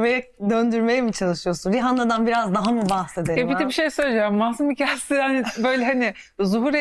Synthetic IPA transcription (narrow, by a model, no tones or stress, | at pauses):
mejɛd̪ønd̪yɾmejɛmit͡ʃʰalˠɯʃɯjo̞sunɾiɦand̪ˠad̪anbiɾazd̪aɦamubahse̞d̪eɛbiɛbiʃe̞jsøjʲed͡ʒamːahsumicʰast̪ihanɪbøjlʲɛɦanɪ | zuɦuɾe